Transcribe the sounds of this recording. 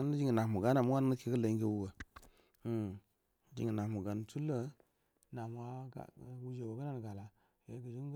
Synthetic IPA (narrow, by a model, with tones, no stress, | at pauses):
n˦ə˦d͡ʒi˦ŋə˨na˨kmu˨ɡa˨˦na˨mu˦a˦n˦nə˦ke˨kə˦lə˨i˦ŋɡe˦wu˦wə˨˦˨ | d͡ʒḭ˨ŋə˨na˨mu˨ɡa˨n˨tu˦lə˦ | na˨m˦wa̰˦˨wu˦d͡ʒe˨wo˨ɡə˦na˦n˨ɡa˨la˨ | ja˨˦ɡə˨d͡ʒi˦ŋ˦